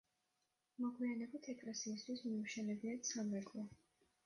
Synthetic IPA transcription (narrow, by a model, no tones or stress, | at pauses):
mɔɡwianɛbit̪ʰɛkʼlɛsiːs̬t̪ʰwismiuʃɛnɛbiat̪sʰamɾɛkʼlɔ